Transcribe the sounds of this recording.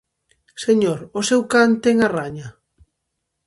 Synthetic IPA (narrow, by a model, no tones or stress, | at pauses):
seɲoɾosewkant̪ɛŋaraɲa